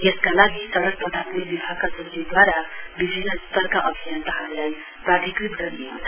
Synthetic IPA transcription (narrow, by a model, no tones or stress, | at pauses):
eskalaɡisʌɾʌspʌd̪ʱatnibibʱaɡkasʌnt̪id̪waɾabibʱinːʌst̪ʌrkaʔʌbʱijant̪aɦʌɾlaj | prat̪ikrit̪ɡʌɾio̰